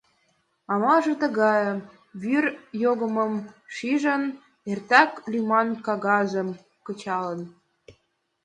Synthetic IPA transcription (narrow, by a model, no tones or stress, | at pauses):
ɑmɑʒĕt̪ə̆ɣɑjə | βyrjoɣə̆mə̆mʃiʒən | ert̪ɑklimɑnkɑɣɑzə̆m | kə̆t͡ɕɑlə̆n